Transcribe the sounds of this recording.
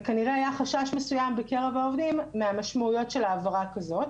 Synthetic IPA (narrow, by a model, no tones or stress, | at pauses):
kaniʁeajaχaʃaʃmesujambeke̞ʁevaovdimːeamaʃmaujo̞tʃe̞laːvaʁakazo̞t̚